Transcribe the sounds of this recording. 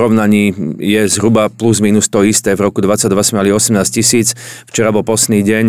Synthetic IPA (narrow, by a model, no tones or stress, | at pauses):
ɾɔʊnaɲiːjɛzɦɾubapluzmiːnust̪ɔist̪ɛːvɾɔkud̪ʋat͡sːaɟd̪ʋasɛmɛaliɔsɛmnaːscisiːt͡sft͡ʃɛɾabɔlpɔst̪niːɟɛɲ